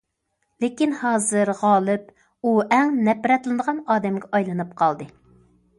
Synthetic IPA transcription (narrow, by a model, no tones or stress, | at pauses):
lekʲinhɑːzɨɾʁɑːlˠɨp̚ | uɛŋnɛpɾɛt̪lˠɨnəʁɑnɑːd̪ɛmɡʲɛɑjlˠɨnɨp̚qʰɑlˠd̪ɨ